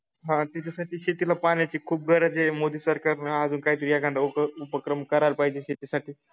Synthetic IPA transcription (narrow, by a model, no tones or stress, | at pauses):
ɦãt̪it͡ɕʰasaʈiːɕet̪ilapanjat͡ɕiːkʰuːp̚ɡʱəɾad͡ʑemod̪iːsəɾkaɾnaad͡zuːnkaɦiːt̪əɾiaɡãnd̪auupəkɾəmkəɾaɾpaɦid͡ʑeɕet̪isaʈʰiː